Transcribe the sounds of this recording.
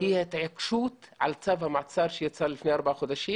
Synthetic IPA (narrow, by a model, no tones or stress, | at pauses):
hiet̪ʕekʃuːt̪ʕa̰lt͡savhamaʕt͡sɑɾˤʃejat͡salːɪfnejʔɑɾˤbaʕaxod̪aʃiː